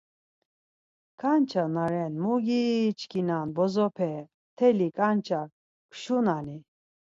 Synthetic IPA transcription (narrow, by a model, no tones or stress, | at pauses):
kʰant͡ʃʰanaɾɛnmuɡit͡ʃkʰinanbɔzɔpʰɛ | t̪ʰɛlikʼant͡ʃʰa | kʰʃunani